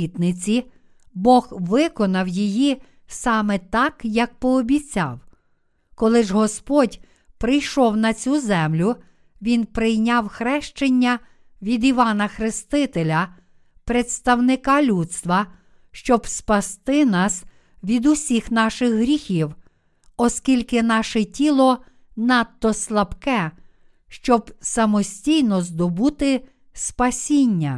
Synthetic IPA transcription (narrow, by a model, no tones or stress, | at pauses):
it̪nɪt͡sʲi | bɔɣʋɪkɔnɐwjiji | sɑmɛt̪ɑkjɐk̚pɔːbʲit͡sʲɑ̰w | kɔlˠɪʒɦɔspɔdʲ | pɾɪjʃɔwnɐt͡sʲuzɛmlʲʊ | ʋʲinpɾɪjnʲɑwxɾɛʃt͡ʃenʲːɐ | ʋʲid̪iʋɑnɐxɾɪst̪ɪt̪elʲɐ | pɾet̪st̪ɐwnɪkɑlʲut̪st̪ʋɐ | ʃt͡ʃɔbspɐst̪ɪnɑs | ʋʲid̪ʊsʲixn̪ɑʃɪxɦɾʲixʲiw | ɔskʲilʲkɪnɑʃɛtʲilˠɔ | nɑt̪ːɔslˠɐpkɛ | ʃt͡ʃɔbsɐmɔsʲtʲijnɔzd̪ɔbut̪ɪ | spɐsʲinʲːɐ